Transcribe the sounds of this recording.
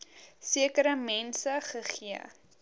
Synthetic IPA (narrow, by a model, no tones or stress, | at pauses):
siəkəɾəmɛnsəχəχiə̰